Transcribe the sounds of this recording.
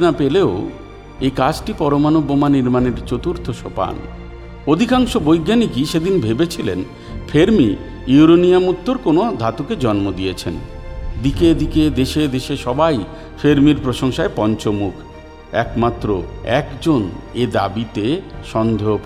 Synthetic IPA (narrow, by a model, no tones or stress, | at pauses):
napeleo | ekad͡ʑʈipɔɾomanobːomaniɾmaneɾt͡ɕot̪uɾt̪ʰoʃopa̰n | od̪ʱikaŋʃobojɡːanikiʃed̪inbʱebet͡ɕʰilḛn | fʰeɾmi | iuɾoniamut̪ːoɾkonod̪ʱat̪uked͡ʑɔnmod̪iet͡ɕʰend̪iked̪iked̪eʃed̪eʃeʃɔbaj | feɾmiɾpɾoʃoŋʃaepɔɲt͡ɕomukʰ | ɛkmat̪ːɾoɛ̰kd͡ʑoned̪a̰bit̪eʃɔnd̪ʱeop